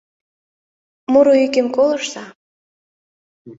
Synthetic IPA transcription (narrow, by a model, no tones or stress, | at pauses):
muɾoykĕmkolˠɤ̆ʃt̪ɑ